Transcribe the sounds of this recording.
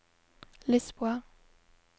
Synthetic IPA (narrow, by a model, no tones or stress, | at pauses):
lɛspwaʁ